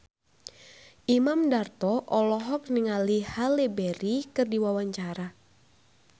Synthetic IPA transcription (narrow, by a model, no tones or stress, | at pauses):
ʔimamdart̪ɔʔɔlɔɦɔk̚niŋalihalebɛɾikɨrdiwawaɲt͡ʃaɾa